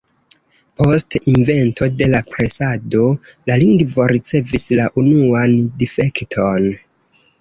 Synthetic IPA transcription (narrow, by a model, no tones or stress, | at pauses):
po̞stinve̞nto̞de̞lapɾesado̞laliŋɡvo̞ɾit͡se̞vislaʔunuandife̞ktʰo̞n